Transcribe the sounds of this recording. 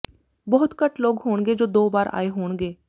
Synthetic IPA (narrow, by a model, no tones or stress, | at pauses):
bɔːʊt̪kəʈloːɡɦoːɽɡeːd͡ʒoːd̪oːbaːɾa̰ːeːɦoːɳɡeː